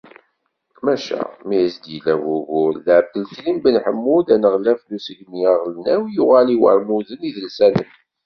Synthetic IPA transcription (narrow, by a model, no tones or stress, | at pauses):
kmæʃæ̰mijəsd̪ilæwuɣʊlːʕbəlt̪limbənħəmːud̪ænəʁlæflusəɡmiæʁlənæwjʊʁæliwə̰ɾmuðəniðəlsælə̰n